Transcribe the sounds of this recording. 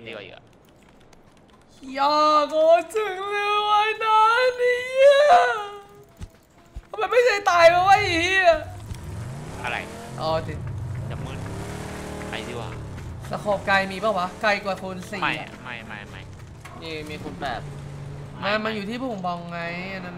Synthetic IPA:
di˧˩wa̰˨˩˨ | jaː˧˩kɔː˧˦t̪ʰɯ˨˩ŋlɯ˧wa˧˥jna˦˥ni˧˩jɛ˧˦˥ | ma˧nma˥˩jt͡ɕʰa˥˩jt̪aː˧jpaː˧˥˩waː˥˩ʔi˧˦˩ | ʔa˧ɾa̰˧jʔɔː˧˩t̪i˨˩ja˨˩mɯ˧˩n | a̰˧jt̪i˧˩wa̰ː˨˩sa˧kʰɔː˨˩p̚kaː˧jmiː˧baː˧˩wa˦˥ka˧jkwaː˨˩kʰo˧nsi˨˦a˦˧˩ma˥˩jma̰˥˩jma̰˧˩j | niː˧˩miː˧kʰo˧npɛ̰ː˨˩p̚ | na˦˥˩ma˧njuː˨˩t̪ʰiː˥˩˥o˨˦mbɔː˧˩ŋŋa˧˦ja˧˩na˦˥n

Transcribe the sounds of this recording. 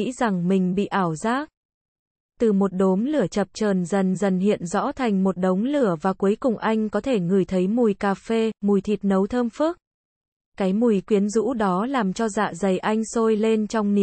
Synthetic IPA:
ḭ˧˥za˨˩ŋmï˨˩ŋ̟ɓḭ˧˨ʔaː˧˩wzaː˦˥ | t̪ɨ˨˩mo˨˩t̚ɗo˨˦mlɨ˧˩ət͡ɕə˨˩p̚t͡ɕəː˨˩nzə˨˩nzə˨˩nhḭ˧˨ənzɔ̰˧˥t̪ʰa˨˩jŋ̟mo˨˩t̚ɗə˨˦wŋ͡mlɨ˧˩əvaː˨˩ku˨˦jkʊ˨˩ŋ͡mʔa˧jŋ̟kɔ˨˦t̪ʰe˧˩ŋɨ˨˩əjt̪ʰə˨˦jmu˨˩jkaː˧fe˧mu˨˩jt̪ʰi˨˩t̚nə˨˦wt̪ʰəː˧mfɨ˦˥ək̚ | kaː˨˦jmu˨˩jkwi˨˦ənzṵ˧˥ɗɔ˨˦laː˨˩mt͡ɕɔ˧za̰ː˧˨zə˨˩jʔa˧jŋ̟so˧jle˧nt͡ɕɔ˧wŋ͡mni˨˩

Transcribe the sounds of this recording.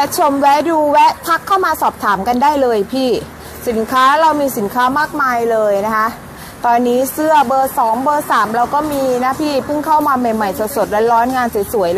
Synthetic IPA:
lɛ˦˥t͡ɕʰo˧mwɛ˦˥duː˧wɛ˦˥p̪ʰa˦˥kʰːa˥˩wmaː˧sɔː˨˩p̚t̪ʰaː˩˦mka˧ndaː˥˩jlɤː˧jpʰiː˥˩ | si˩˦nkʰaː˦˥ɾa˧wmiː˧si˨˩˦nkʰaː˦˥maː˥˩k̚maː˧jlɤː˧jna˦˥kʰa˦˥ʔ | t̪ɔː˧nːiː˦˥sɯ˥˩ɐbɤː˧sɔː˩˦ŋbɤː˧saː˩˦mɾa˧wkɔː˥˩miː˧na˦˥pʰiː˥˩pʰɯ˥˩ŋkʰa˥˩wmaː˧ma˨˩jma˨˩jso˨˩t̪̚so˨˩t̪̚ɾa˧˥nɾɔː˦˥nŋaː˧nssu˩˦jl

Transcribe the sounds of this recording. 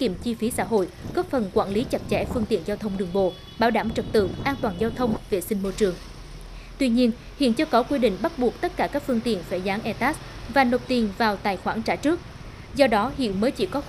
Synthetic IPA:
kːi˧˩əmt͡ɕi˧fi˨˦sa̰ː˧˥ɦo̰˧˨jɣɔ˦˥p̚fə˨˩nkwaː˧˩nli˨˦t͡ɕa˨˩t̚t͡ɕɛ̰˧˩fɨ˧əŋt̪ḭ˧˨ənzaː˧wt̪ʰə˧wŋ͡mɗɨ˨˩ŋɓo̰˧˨ | ɓaː˧˩wɗaː˧˩mt͡ɕə˨˩t̚t̪ɨ̰˧˨ʔaː˧nt̪waː˨˩nzaː˧wt̪ʰə˧wŋ͡mve˨˩sï˧ŋ̟mo˧jt͡ɕɨ˨˩əŋ | t̪wi˧ɲi˧ən | hḭ˧˨nt͡ɕɨ˧əkɔ˨˦kwi˧ɗḭ̈˧˨ŋ̟ɓa˦˥t̚ɓu˨˩ək̚t̪ə˦˥t̚kaː˧˩kaː˦˥k̚fɨ˧əŋt̪ḭ˧˨ənfaː˧˩jzaː˨˦ŋʔɛ˧t̪aː˦˥s | vaː˨˩no˨˩p̚t̪i˨˩nvaː˨˩wt̪aː˨˩jxwaː˧˩nt͡ɕaː˧˩t͡ɕɨ˦˥ək̚ | zɔ˧ɗɔ˨˦hḭ˧˨ənməː˨˦jt͡ɕḭ˧˩kɔ˨˦

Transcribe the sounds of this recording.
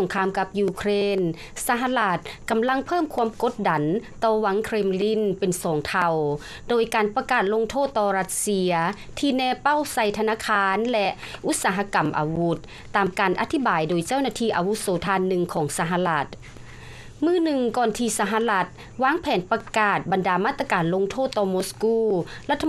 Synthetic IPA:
so˨˧˦ŋkʰaː˧˨mka˧p̚juː˧kʰɾeː˧˥˨n | sa˧˦ɦa˧la˧t̪̚ka˨˩mla˧˥˨ŋpʰɤː˥˨mkʰu˧˥ə˨mko˧˥t̪̚da˨˩nt̪ɔː˧˩wa˧˦˥ŋkʰɾeː˧˩mli˧˥˨npe˨˩nsɔː˨˦ŋt̪ʰa˧˩w | doː˨˩jkaː˨˩npa˧kaː˨˩t̪̚lo˧ŋt̪ʰoː˥˩t̪ːɔː˧ɾa˧t̪̚si˧ɐ | t̪ʰiː˧nɛː˧pa˧˥˨wsa˧˩jt̪ʰa˧naː˧˨kʰaː˧nlɛ˧ʔ | ʔu˧˦˥t̪̚saː˨˦ɦa˧ka˨mʔa̰ː˨wu˧˦˥t̪̚ːaː˨˩mkaː˨˩nʔa̰˧˥t̪ʰi˧˥baː˨˩jdoː˨jt͡ɕa˥˩wnaː˧t̪ʰiː˧˩ʔa˨wu˧˥soː˨˦t̪ʰaː˧nːɯ˧ŋkʰɔː˨˩˦ŋsa˧ɦa˧˥la˧˩t̪̚ | mɯː˧˥˨nɯ˧ŋkɔː˧nt̪ʰiː˧sa˧ɦa˧˥la˧˥t̪̚ | waː˧˥˨ŋpʰɛː˨˦npa˧kaː˧˩t̪̚ba˨ndaː˨˩maː˥˩t̪ːa˧kaː˨˩nlo˧ŋt̪ʰoː˥˩t̪ːɔː˧moː˧˥skuː˧˩la˧t̪ʰːa˧

